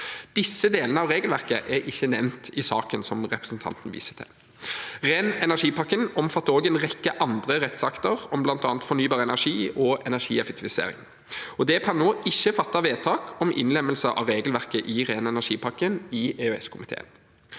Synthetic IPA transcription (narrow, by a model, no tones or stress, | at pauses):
d̪̥ɪsːəd̪eːlənəɑʋʁeːɡəlʋæʁkəʔæɾɪçːənɛʋnt̪ʰɪsɑ̰ːkənsɔmʁɛpʁəsnt̪ʰɑ̰nt̪ən̩ʋḭːsə̥t̪ʰɪ̰l | ʁeːnɛnæʂiːpɑkːənɔmfɑt̪ːəoːɡɛnʁɛkːəʔɑnd̪ʁəʁɛt̪sɑkt̪əʁɔmblɑnt̪ɑːnt̪fɔnyːbɑːʁəɛnæʁʂiːɔɛnæʂiːɛfɛkt̪ɪʋɪsḛːʁɪ̰ŋ | ɔd̪ɛkʰɑnːoːɪçːəfɑt̪ːɑʋeːd̪̚t̪ʰɑːkʰɔmʔɪ̰nlɛmːəlsəʔɑ̰ʋɾeːɡəlʋæʁkəʔɪʁeːnɛnæʂiːpʰɑkənɪeːʉɛ̰skʰʊmɪt̪ʰḛːən